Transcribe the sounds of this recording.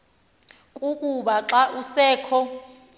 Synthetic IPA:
kʼukʼuɓaǁaʔusɛːkʰɔ

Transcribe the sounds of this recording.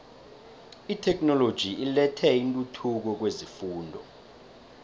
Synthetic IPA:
itʰɛk̬ʼnɔlod̥ʒ̥ʱiʔilɛtʰɛintʼutʰuk̬ɔk̬wezifuːndʱɔ

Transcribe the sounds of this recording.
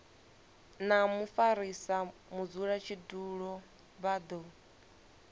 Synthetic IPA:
namufaɾisamud͡zuɺat͡ʃʰiduɺɔ | βad̪ɔ

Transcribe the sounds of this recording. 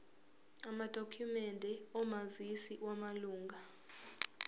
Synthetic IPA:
amad̥ʱokʰumɛndʱɛɔmazisiʔwamaluːŋɡʱa

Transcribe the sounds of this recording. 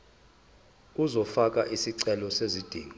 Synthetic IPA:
uzɔfak̬ʼa̰ʔisiǀɛlɔsezid̥ʱḭːŋɔ

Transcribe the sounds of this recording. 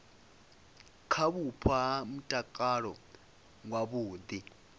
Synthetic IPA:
kʰaβupʰaɦam̩tʼakʼaɺɔ | ŋwaɓuːd̪i

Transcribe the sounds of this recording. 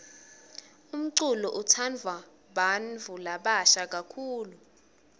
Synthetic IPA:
um̩ǀulɔʔutʰand͡vʱwa | ɓanvʱulaɓaʃak̬ʼakʰuːlu

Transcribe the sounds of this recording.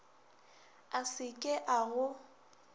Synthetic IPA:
asɪkʼɪʔaɣʊ

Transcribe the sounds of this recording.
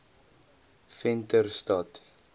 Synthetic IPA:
fɛntərstɑt

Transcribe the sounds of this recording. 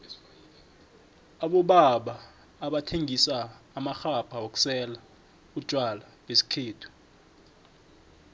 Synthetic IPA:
aɓɔɓaɓaː | ɓatʰeŋʱisaːmaxapʰaok̬ʼu̥sɛla | ud̥ʒ̥ʼʱwala | ɓesi̥kʰeːtʰu̥

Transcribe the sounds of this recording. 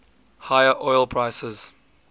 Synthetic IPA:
haɪəʔɔɪlˠpʰɹ̥aɪsəz̥

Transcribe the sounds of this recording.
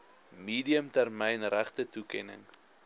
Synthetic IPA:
miːdiəmtærmɛjnræχtətukɛ̰nə̰ŋ

